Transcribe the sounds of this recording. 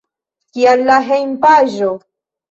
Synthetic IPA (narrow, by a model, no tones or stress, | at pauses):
kialːaɦejmpaʒo